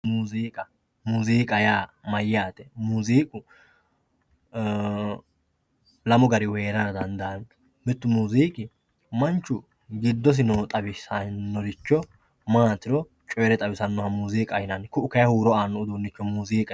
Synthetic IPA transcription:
muziːkʼɐ | muziːkʼɐjaːmɐjːaːt̪ɛmuziːkʼʊ | lɐmɔɡɐɾɪwe̞ːɾɐɾɐd̪ɐnd̪ɐɐn | mɪt̪ːʊmuːziːkʼɪ | mɐnt͡ʃːʊ | ɡɪd̪ːɔs̬ɪnɔt̪ʼɐbɪsɐnnːɔɾɪt͡ʃːɔ | maːt̪ɪɾɔ | t͡ʃʼɔjɾɛt̪ʼɐbɪsɐnːɔhɐmuziːkʼɐjɪnɐnkʊʊkɐjɐhuːɾɔaːnːɔʊd̪unːɪt͡ʃːɔmuziːkʼɐ

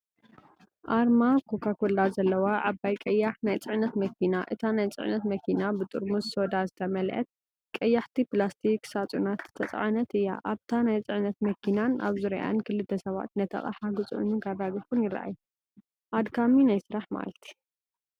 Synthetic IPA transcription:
ʔaɾmakʰo̞kʰakolazɐlːɐwaʔabːajkʼɐjːaħnajt͡sʼɨʕnɐt̪mɐkʰinaʔɨt̪ʰanajt͡sʼɨ̰ʕnɐt̪mɐkʰinabɨt̪ʼuɾmusso̞d̪azɨt̪ʰɐmɐlʔɐ̰t̪̚ | kʼɐjːaħt̪ʰiplast̪ʰiksat͡sʼunat̪t̪ʰɐt͡sʼʕanɐt̪ɨjːa̰ʔaβt̪ʰanajt͡sʼɨʕnɐt̪mɐkʰinana̰βzɨɾiʔa̰nkʰɨlːɨd̪ɐsɐβa̰t̪nɐt̪ʰɐ̰χʼa̰ħaɡɨt͡sʼʕṵnunkʰarːaɡifunjɪɾa̰ʔa̰ju | ʔad̪kʰaminajsɨɾaħma̰lɐt̪ʰi̥

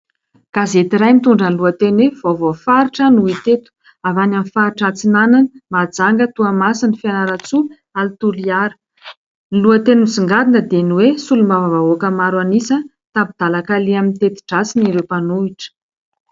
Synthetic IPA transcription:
ɡ̥azet̪iɾajmit̪uɳɖ͡ʐənluət̪enwev̥ovofaɾiʈ͡ʂənuit̪et̪u̥ | avananfaɾʈ͡ʂat͡sinananmad͡zaŋɡət̪uamasinifianaɾat͡su | alit̪uliaɾə̥ | niluət̪enimisiŋɡad̪inəd̪eniwesulumavavaokəmaɾwanisə | t̪abid̪̥alakaliamint̪et̪i̥ʈ͡ʂat͡siniɾewpanuiʈ͡ʂə̥

